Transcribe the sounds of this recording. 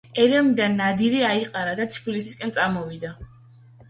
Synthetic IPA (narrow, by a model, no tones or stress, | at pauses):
ɛɾɛmid̪anːad̪iɾiaiqʼaɾad̪at̪sʰi̥pʰulisiskʼɛnt̪sʼamɔvid̪a